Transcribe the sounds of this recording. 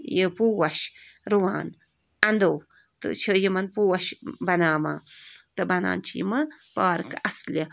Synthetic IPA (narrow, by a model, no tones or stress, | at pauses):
jəpuːwɐʃɾuwaːn | ɐnd̪ow | t̪ɨ̰t͡ʃʰəjimɐnpuːwɐʃbɐnaːma̰ːt̪ɨbɐna̰ːnt͡ʃʰijḭmɐpaːɾɨkʔɐsli